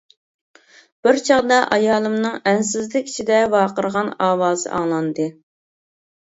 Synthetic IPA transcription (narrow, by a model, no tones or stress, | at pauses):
b̥ɪɾt͡ʃʰɑʁd̪ɑʔɑjɑːlˠɨmnɨŋɛnsɪzlɪkʲi̥t͡ʃʰid̪ɛvɑːqəɾəʁɑnɑːwɑːzɨ̰ʔɑŋlˠɑnd̪ɨ